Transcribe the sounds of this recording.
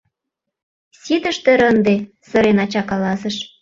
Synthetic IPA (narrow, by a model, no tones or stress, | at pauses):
sʲit̪ə̆ʃt̪eɾənd̪e | sə̆ɾenɑt͡ɕɑkɑlɑsə̆ʃ